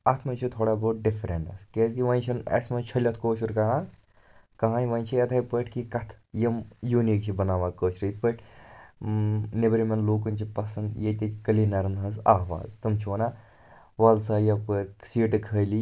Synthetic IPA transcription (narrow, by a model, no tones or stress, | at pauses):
ɐt̪ʰmɐnt͡ʃʰit̪ʰoːɽaːboːʈ̚ɖifʰɾḛɳʈɐ̰skeːzkiʋɐnʲt͡ʃʰɐnɐ̰smɐt͡ʃʰɐlʲɐt̪ʰkoːt͡ʃʰuɾkɐɦã | kɐɦãːjʋɐnʲt͡ʃʰiɐt̪ʰɐjpəʈʰkikɐt̪ʰjɐmjuːnikt͡ʃʰibɐnaːʋaːkoːt͡ʃʰɾəjt̪ʰpəʈʰ | nebɾimɐnloːkɨnʲt͡ʃʰipɐsɐnd̪jet̪ikɐlinɐɾnɦɐnsa̰ːʋa̰ːzt̪ɐmt͡ʃʰiʋɐna | ʋɐːlsaːjɐpəɾsiːʈɨkʰəːli